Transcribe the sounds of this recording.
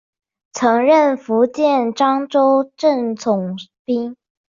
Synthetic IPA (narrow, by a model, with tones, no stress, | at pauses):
t͡sʰɤ˧˥ŋɻə˥˩nfu˧˥t͡ɕjɛ˥˩nʈ͡ʂɑ˥ŋʈ͡ʂo˥ʊʈ͡ʂə˥˩ŋt͡sʰʊ˨˩ŋpi˥ŋ